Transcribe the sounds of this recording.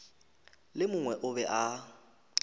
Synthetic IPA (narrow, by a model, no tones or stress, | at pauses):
lɪmʊŋwɛʔʊbɛʔa